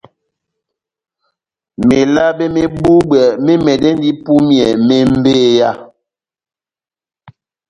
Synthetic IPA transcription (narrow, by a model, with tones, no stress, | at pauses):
me˨la˦be˦me˦bu˦bwɛ˨me˦mɛ˨dɛ˦n˦di˦pu˦mjɛ˨me˦m̩˦beː˦ja˦˨